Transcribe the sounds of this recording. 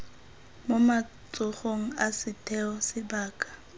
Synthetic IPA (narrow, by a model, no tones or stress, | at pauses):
moma | t͡sʼʊχoŋ̩asɪtʰʼɛɔsɪbaːkʼḁ